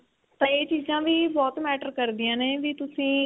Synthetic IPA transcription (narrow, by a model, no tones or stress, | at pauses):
t̪ãːeːt͡ʃiːzãːʋiːbɔːt̪mɛːʈəɾkəɾd̪iːãːneːʋiːt̪ʊsĩː